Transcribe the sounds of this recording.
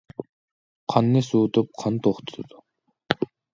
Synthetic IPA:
qʰɑnːɨsuːt̪ʰup̚qʰɑnt̪ʰoχt̪ʰo̥ɨd̪̥u

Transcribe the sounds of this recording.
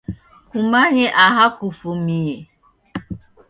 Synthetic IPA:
kʷumaɲɪʔaɦakʷufumie

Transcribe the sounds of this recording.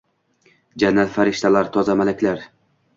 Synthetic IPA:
d͡ʒanːat̪faɾɪʃt̪alaɾt̪ʰɒzamalakʲlaɾ

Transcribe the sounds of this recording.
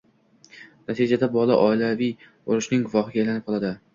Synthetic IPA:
nat̪ʰid͡ʒad̪abɒlˠaʔɒɪlavij | oɾʊʃnɪŋɡʊvɒχɪɡʲaːjlanɪp̚qʰɒlˠad̪ɪ

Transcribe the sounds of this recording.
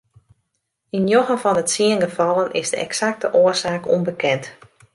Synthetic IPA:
injoɣəvɔnətsiənɡəvɑlˠənʔɪzdə̰ʔɛ̰ksak̚təʔoəsaːkʰo̰mbəkʰɛnt

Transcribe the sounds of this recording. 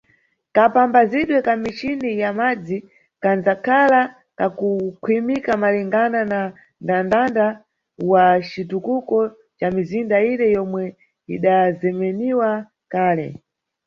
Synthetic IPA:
kapambaziɗwɛkamit͡ʃinijamad͡zi | kand͡zakʰala | kakukʰwimikamaliŋɡanana | ndandanda | wat͡ʃitukukɔ | t͡ʃamizindainɛjɔmwɛ | ḭɗazɛmɛniwa | kaːlɛ̰

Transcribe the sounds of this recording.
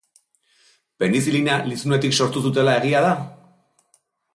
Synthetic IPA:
pe̞nis̬ilinalisnue̞t̪ikso̞ɾt̪us̬ut̪e̞lae̞ɣiað̞a

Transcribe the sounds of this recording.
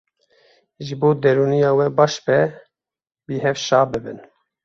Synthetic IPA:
ʒɨboːd̪ɛɾuːnijɑːwɛbɑːʃbɛ | biːɦɛvʃɑːbɨbɨ̰n

